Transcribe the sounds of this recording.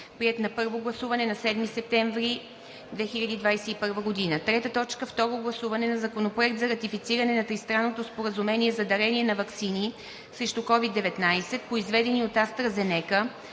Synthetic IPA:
pɾiɛt̪nɐpɤɾvoɡlˠɐsuvɐnɛnɐsɛd̪misɛp̚t̪ɛɱvɾi | d̪vɛxiʎʲɐd̪iːd̪vajsɛipɤɾvəɡod̪inət̪ɾɛt̪ət̪ɔt͡ʃkəft̪ɔɾoɡlˠɐsuvɐnɛnɐzɐkonopɾoɛkt̪zɐɾɐt̪ifit̪siɾɐnɛnɐt̪ɾist̪ɾanːot̪ospoɾəzumɛniɛzɐd̪ɐɾɛniɛnɐvɐksini | sɾɛʃt̪okɔvid̪ːɛvɛt̪najsɛt̪̚poizvɛd̪ɛniot̪ast̪ɾəzɛnɛkə

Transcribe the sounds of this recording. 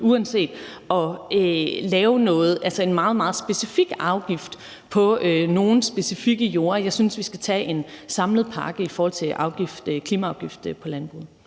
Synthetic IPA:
uænse̝̰ːd̥ʔɒ̽ølɛːʊnɔ̽ːð̞̩ˠælsɐe̝nmɑ̈ːð̞̩ˠmɑ̈ːð̞̩ˠsb̥e̝sifiɡ̥ɑ̈ʊɡ̥ifd̥ | pʰɒ̽øno̝ːn̩sb̥e̝sifiɡ̥əjo̝ːɐjɑ̈ɪsynsʋisɡ̥æt͡sʰɛ̰ːʔe̝nsɑ̈mləð̩ˠpʰɑ̈ːɡ̥əifɒːhɒ̽l̰t͡sʰe̝ʔɑ̈ʊɡ̥ifd̥kʰliːmæɑ̈ʊɡ̥ifd̥pʰɒ̽lænb̥ʁuð̩ˠ

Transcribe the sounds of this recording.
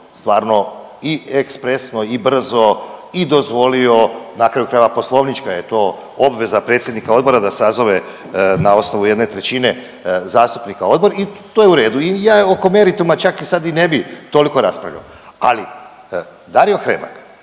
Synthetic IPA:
st̪ʋaːɾno̞ | iʔekspɾe̞snoibr̩zo̞id̪o̞zʋo̞lio̞nakɾajukɾaːjeʋapo̞slˠo̞ːʋnit͡ʃkaje̞t̪o̞ː | obʋe̞zapɾe̞t̪sʲje̞d̪nikao̞d̪bo̞ɾad̪asazo̞ʋe̞ | nao̞sno̞ʋuje̞d̪ne̞t̪ɾe̞t͡ʃine̞ | zaːst̪u̥pnikao̞d̪bo̞ɾit̪ojeuɾe̞ːd̪uijaːoko̞me̞ɾit̪umat͡ʃakisad̪ine̞bit̪o̞liko̞ɾaspɾa̰ʋʎa̰o | a̰li | d̪aɾio̞xɾeba̰k

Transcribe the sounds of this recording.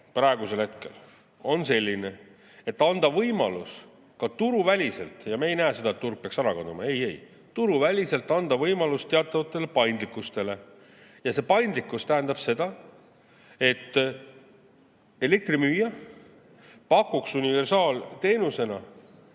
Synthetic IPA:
prɑe̞ɡuse̞lhe̞t̪ke̞̰l | o̞nse̞lʲːine̞ | e̞t̪ːɑnd̪ɑvɤjmɑlus | kɑt̪uɾuvælʲise̞lt̪ˑjɑmɑejnæːse̞d̪ɑet̪t̪ːurɡ̥̚peɑksɑɾɑkɑd̪umɑ̰e̞je̞j | t̪uɾuvælʲise̞lt̪ːˑɑnd̪̥ɑvɤjmɑlust̪e̞ɑt̪ˑːɑvɑt̪ːˑe̞le̞pɑjnd̪likːˑust̪e̞le̞ | jɑse̞pɑjnd̪likːˑust̪æɦænd̪̥ɑb̥se̞d̪̥ɑ | e̞t̪ː | e̞le̞k̚t̪rimyːjɑ | pɑkːˑuksunive̞rsɑːlt̪e̞ːnuse̞nɑ

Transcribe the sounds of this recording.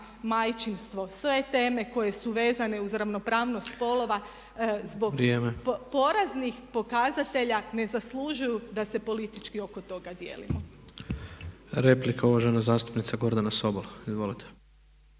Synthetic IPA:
majt͡ʃinst̪ʋo̞sʋe̞t̪e̞ːme̞ko̞je̞suʋe̞ːzane̞uzɾaʋno̞pɾaːʋnost̪po̞lˠo̞ʋa | zbo̞ɡɾjeːmepo̞ɾaznixpo̞kazat̪e̞ʎane̞zaslˠuʒujud̪ase̞po̞lit̪it͡ʃkio̞ko̞t̪o̞ɡad̪je̞̰ːlḭmo | ɾe̞plikauʋaʒenazaːst̪u̥pnit̪saɡo̞ɾd̪anasobolˠaizʋo̞lit̪ʰe̥

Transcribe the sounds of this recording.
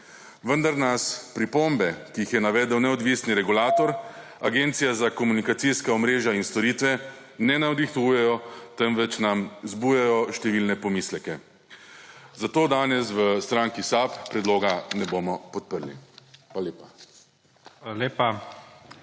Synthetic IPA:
ʋənd̪aɾnaspɾipombɛkijixjɛnaʋɛːd̪əwnɛɔd̪ʋiːsniɾɛɡulaːt̪ɔɾaɡeːnt̪sijazakɔmunikat̪siskaɔmɾeːʒjainst̪ɔɾiːt̪ʋɛ | nɛnaɔd̪ixt̪ujɛjɔt̪ɛnʋɛt͡ʃnamzbujɛjɔʃt̪ɛʋilnɛpɔmiːslɛkɛ | zat̪oːd̪aːnɛsʋəst̪ɾaŋkisappːɾɛd̪loːɡanɛbomɔpɔt̪̚pəɾlḭxʋaaleːpa | aleːpa

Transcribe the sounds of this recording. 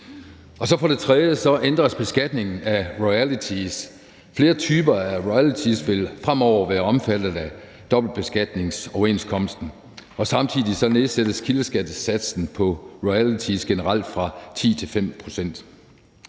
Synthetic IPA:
ʔɒ̽sɒ̽fɒ̽ɾ̥e̝t͡sʰʁɛðˠjəsɒ̽ʔend̥ʁɐsb̥e̝sɡ̥æd̥ne̝ŋn̩æʁɔɪælit͡sʰis | fle̝ːɐt͡sʰyːb̥ɐæʁɔɪælit͡sʰisʋe̝lfʁam̰ɒʊ̰ɐʋæːɐɒ̽mfæd̥ð̩ˠæ | d̥ɒ̽b̥l̩d̥̚b̥e̝sɡ̥æd̥ne̝ŋsɒʊɐe̝̰nskʰɒ̽m̰əsd̥n̩ | ɒ̽sɑ̈mt͡sʰið̰ˠisɒ̽ne̝ðˠsed̥əskʰiləsɡ̥æd̥əsæd̥sn̩pʰɒ̽ʁɔælit͡sʰisɡ̥enəʁɑ̈l̰d̥fʁɑ̈t͡sʰḭːt͡sʰe̝lfem̰pʰʁo̝sen̰d̥

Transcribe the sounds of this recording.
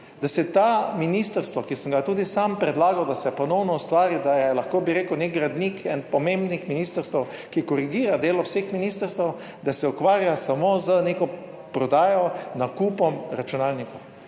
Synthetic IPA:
d̪asɛt̪aminist̪əɾst̪ʋɔkisəmɡat̪uːd̪isampɾɛd̪laːɡawd̪asɛpɔnɔwnɔust̪ʋaːɾid̪ajɛlaxkoːbiɾeːkəwnek̚ɡɾad̪nikɛnpɔmẽmbnixminiːst̪əɾst̪əw | kikɔɾiɡiːɾad̪eːlɔwsexminist̪əɾst̪əw | d̪asɛukʋaːɾjasamoːzənekɔ | pɾɔd̪aːjɔnakupɔmɾat͡ʃunaːlnikɔw

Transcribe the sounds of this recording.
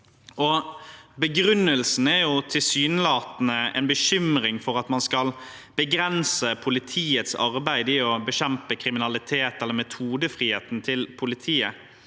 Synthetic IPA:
ɔbəɡɾʉnːəlsn̩æɾjʊt̪ʰɪlsyːnəlɑːt̪nəɛ̰nbəɕʏmɾɪŋfɔɾɑt̪mɑnskɑl | b̥əɡɾɛnsəpʰʊlɪt̪ʰiːət̪sɑ̰ʁbæɪd̪ɪɔbəɕɛmpəkʰɾɪmɪnɑlɪt̪ʰeːt̪ɛlːəɾmɛt̪ʰuːd̪əfɾiːheːt̪n̩t̪ʰɪlpʰʊlɪt̪ʰiːə

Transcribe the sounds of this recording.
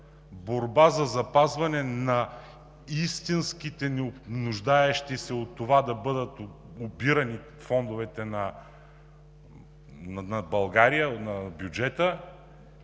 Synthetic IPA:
boɾbazɐzɐpazvɐnɛnɐ | ist̪insk̟it̪ɛnɛonʊʒd̪aɛʃt̪isɛot̪ːovad̪ɐbɤd̪ət̪ | obiɾɐni | fɔnd̪ovɛt̪ɛnɐ | nɐnɐbɐlˠɡaɾijənɐbjud͡ʒɛt̪ə

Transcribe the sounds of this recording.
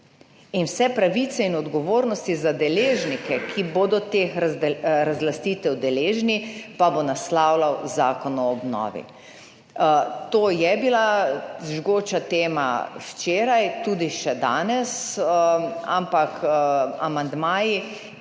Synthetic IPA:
inwsɛpɾaʋit̪sɛinɔd̪ɡɔʋoːɾnɔst̪izad̪ɛleːʒnikɛkʰiboːd̪ɔt̪eːxɛɾazlast̪iːt̪ɛwd̪ɛleːʒnipabonaslawlawzaːkɔnɔːbnɔ̰ːʋḭ | t̪oːjɛbilaʒɡoːt͡ʃat̪eːma̰wt͡ʃeːɾajt̪uːd̪iʃɛd̪a̰ːnɛs | a̰mpaka̰mand̪maːji

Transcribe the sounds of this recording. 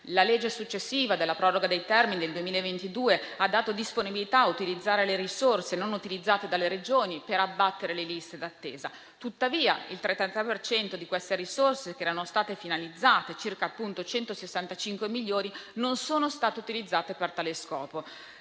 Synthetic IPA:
laled͡ʒːesut͡ʃːesːiːvad̪elːapɾɔːroɡad̪ejt̪ɛrminid̪eld̪uemiːlaevent̪id̪uːead̪ːaːt̪od̪isponibilit̪aːut̪ilid̪zːaːɾeleɾisorsenonut̪ilid̪zːaːt̪ed̪alːeɾed͡ʒoːnipeɾabːat̪ːeɾelelist̪ed̪at̪ːḛːza | t̪ut̪ːaviːa̰ilt̪ɾet̪ːant̪apert͡ʃɛnt̪od̪ikwest̪eɾisorsek̟eɛːɾanost̪aːt̪efinalid̪zːaːt̪et͡ʃirkaːpːunt̪ot͡ʃɛnt̪osesːant̪at͡ʃiŋkwemiʎːoːɾinonsoːnost̪aːt̪eut̪ilid̪zːaːt̪epert̪aleskɔːpo

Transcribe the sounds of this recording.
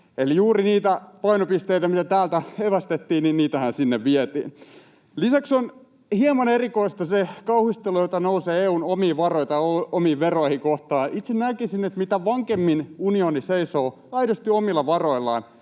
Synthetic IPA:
elijuːɾiniːt̪æpɑjnopist̪eit̪æmit̪æt̪æːlt̪æheʋæst̪et̪ːiːnninniːt̪æhænsinːeʋʋiet̪ḭːn | lisækson | hiemɑnerikoist̪ɑsekɑuhist̪elojot̪ɑnouseːeːuːnomiːʋɑrojt̪ɑoomiːʋeroihikoht̪ɑːʔit̪sennækisinet̪mit̪æʋɑŋkemːinunioniseisoː | ɑiɾost̪iomilːɑʋɑroilˑːɑ̰ːn

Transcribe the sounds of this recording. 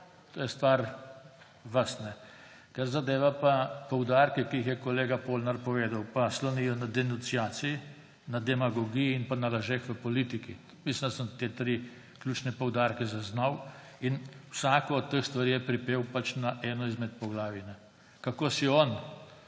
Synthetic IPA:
t̪oːjɛst̪ʋaɾ | ʋəsnɛ | kaɾzad̪eːʋapapɔwd̪aːɾkɛkiixjɛkɔleːɡapolnaɾpɔʋeːd̪awpaslɔnijɔnad̪ɛnunsiaːt̪siji | nad̪ɛmaɡɔɡijiinpanalaʒeːxʋəpɔliːt̪iki | mislind̪asəmt̪eːt̪ɾi | klʲjuːt͡ʃnɛpɔwd̪aːɾkɛzaznaw | inwsaːkɔːt̪ːəxst̪ʋaɾiːjɛpɾipeːwpat͡ʃnaʔɛːnɔizmɛt̪̚pɔɡlaːʋinɛ | kakoːsiɔn

